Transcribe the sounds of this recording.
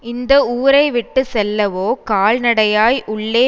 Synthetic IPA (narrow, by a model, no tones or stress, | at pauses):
ɪnd̪ɐuːɾɐɪʋɪʈːɯsɛlːɐʋoːkaːɭnɐɽɐjaːjʔʊɭːeː